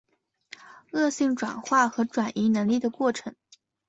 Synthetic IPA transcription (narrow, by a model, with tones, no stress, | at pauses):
ɤ˥˧ɕi˥˩ŋʈ͡ʂwa˨˩nxwa˥˩xɤ˧˥ʈ͡ʂwa˨˩nʔi˧˥nə˧˥ŋli˥˩d̪ə˩kwɔ˥˩ʈ͡ʂʰɤ˧˥ŋ